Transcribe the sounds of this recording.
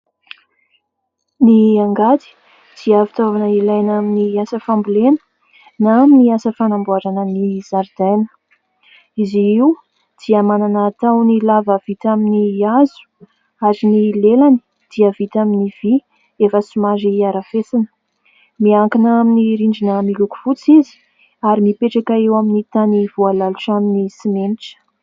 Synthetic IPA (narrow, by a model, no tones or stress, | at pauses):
niaŋɡat̪i̥ | d̪̥iafit̪ovanəilajnaminiasəfambulenə̥ | naaminiasəfanambuaɾanənizaɾd̪ajnə̥ | iziiw | d̪̥iəmananaːt̪awnilavav̥it̪aminiazu̥ | azinilelani̥ | d̪̥iəvit̪aminiv̥i | efəsimaziaɾafesinə̥ | miaŋkinaaminiɾiɳd͡ʒinəmiluku̥fut͡sizi̥ | aɾimipeʈ͡ʂakaewaminit̪aniv̥ualaluʈ͡ʂaminisimeniʈ͡ʂə̥